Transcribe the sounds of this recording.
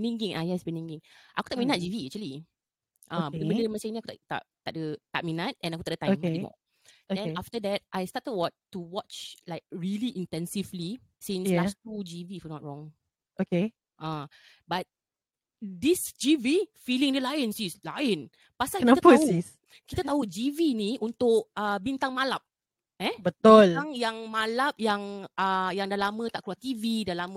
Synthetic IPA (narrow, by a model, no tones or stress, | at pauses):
nĩŋɡĩŋʔajasbɛnĩŋɡĩŋʔaku̥t̪aʔ̚mĩnat̚d͡ʒiviɛk̚t͡ʃuəli | ʔãəbənəəməsẽŋnĩakutat̪a̰ʔt̪aʔ̚dət̪aʔ̚minat̚ɛ̃nakut̪adətãjmɛimɔ̰ | odɛ̃naftədɛt̚ʔajstatəd̚wɔttːuwɔt͡ʃlaɪk̚ɹiliʔĩntɛ̃nsivli | sĩnsastud͡ʒivifɔnɔt̚ɹɔ̃ŋ | oke | ʔa | bat̚ | disd͡ʒivifilĩŋdəlajə̃nsisla̰jə̃n | pasakntapəsis | kit̪at̪aɦud͡ʒiviniʔũnt̪ʊkəbint̪ãŋmalap̚ | ɛbət̪ɔlaŋjãŋmalap̚jaŋʔajaŋdalamə̃t̪aʔkɾuat̪ividalamə